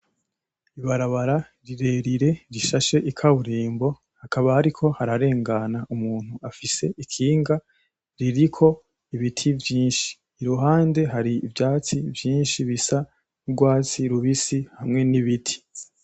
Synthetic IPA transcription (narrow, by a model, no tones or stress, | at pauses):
iβaɾaβaɾa | ɾiɾe̞ɾiɾe̞ɾiʃaʃe̞ʔikʰaβuɾiːmbo̞ | hakaβahaɾikʰo̞haɾaɾe̞ːŋɡanaʔumuːn̥uafise̞ʔikʰiːŋɡa | ɾiɾikʰo̞ | iβitʰivjiːnʃi̥ː | ɾuɦaːnde̞ɦaɾiːvjaːt͡sivjiːnʃiβisa | uɾɡwaːt͡siɾuβisihamŋe̞niβitʰi̥